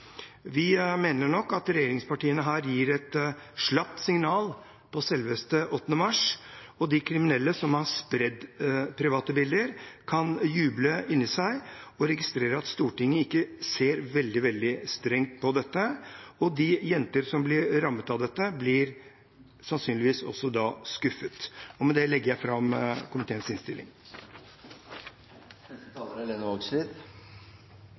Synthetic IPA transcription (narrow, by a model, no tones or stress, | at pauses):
ʋɪmeːnəɳɔkːɑt̪ɾɛjeːɾɪŋspɑʈiːənəɦæːɾjiːɾɛt̪ʂɭɑp̚t̪sɪŋnɑːl | pʰɔsɛlʋəst̪əʔɔt̪ːnəmɑʂ | ɔd̪ɪkʰɾɪmɪnɛlːəsɔmhɑspɾɛd̪pʰɾɪʋɑːt̪əbɪld̪əɾkʰɑnjʉːbləɪnːɪsæɪɔɾɛɡɪst̪ɾeːɾəɑt̪st̪uːʈɪŋːəɪkːəseːɾʋɛld̪ɪʋɛld̪ɪst̪ɾɛŋt̪̚pʰɔd̪ɛt̪ːəɔd̪ɪjɛnt̪əɾsɔmblɪɾɾɑmːət̪ɑd̪ɛt̪ːəblɪɾ | sɑnsyːnlɪʋiːsɔ̰sːɔd̪ɑːskʉfət̪ɔmɛd̪ɛlɛɡːəjæɪfɾɑmkʰʊmɪt̪ʰeːənsɪnst̪ɪlːɪ̰ŋ | ɛət̪ʰɑləɾɛleːnəɔɡslit̪